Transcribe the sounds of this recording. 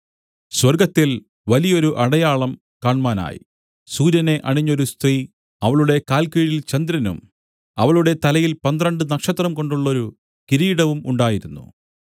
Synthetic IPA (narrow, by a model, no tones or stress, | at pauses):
swɐrɡɐt̪ːil | ʋɐlijɐo̞ɾuʔɐɽɐjaːɭɐm | kaːɳmaːna̰ːjḭ | suːɾjɐne̞ʔɐɳiɲːo̞ɾust̪riː | ɐʋɐɭuɽe̞kaːlkiːɾilt͡ɕɐnd̪ɾɐnṵm | ɐ̰ʋɐɭuɽe̞t̪ɐlɐjilpɐnd̪rɐɳɖɨnɐkʂɐt̪rɐmko̞ɳɖuɭːo̞ɾu | kiɾiːɽɐʋumuɳɖaːjiɾunːṵ